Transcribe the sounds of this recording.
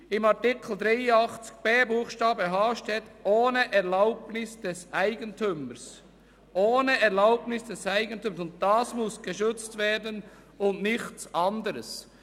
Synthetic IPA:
ɪmɑtɪkʰl̩d̪ɾaɪəɑχt͡sɪ̥ɡ̥̚b̥eːbuːχʃtɑːbəɦɑːʃtɛt̪oːnəʔɛʁlaʊbnɪsd̥ɛsʔaɪɡəntʰʏməs | ʔoːnəɛʁlaʊbnɪsd̥ɛsaɪɡəntyməsʊnt̚d̥ɑːsmʊsɡ̥əʃʏt͡stvɛːdən | ʊntnɪçtt͡sʔɑndəɾəs

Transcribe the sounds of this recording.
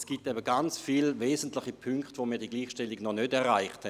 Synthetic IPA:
sɡ̥itɛbəɡant͡sfiːlveːzəntlɪχipʰyŋkχtvomiːɐdiːɡliːχʃtɛliɡnɔnødɛʁʁaɪχthɛ

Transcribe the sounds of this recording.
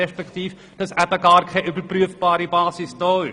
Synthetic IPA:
ɛʃpɛkt̪iːf | d̥ɑsæbəɡaːɾkʰaɪʔybəɾpryəfb̥aːɾibaːsɪsdɔːɪ

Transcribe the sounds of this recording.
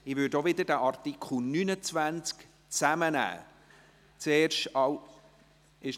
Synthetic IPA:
ɪvʏdoʋɪd̪ədæʔɑrt̪ikʰχunynət͡sʋænt͡sk | t͡sæmənæ̰ː | t͡seːrʃtɑw | ɪʃ

